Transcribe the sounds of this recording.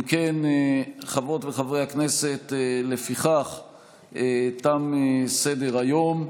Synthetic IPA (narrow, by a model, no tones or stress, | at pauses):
mkeneχavʁo̞t̪veχavʁehakne̞se̞tlefiχaχ | t̪amesedeʁajo̞m